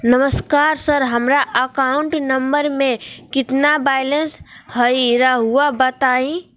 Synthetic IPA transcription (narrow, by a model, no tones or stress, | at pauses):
nəməskaːɾsəɾɦəmɾaʔəkaʊ̃ɳʈnəmbəɾmẽkɪt̪nabaːɪlə̃nsɦəiɾaɦuabət̪aːĩ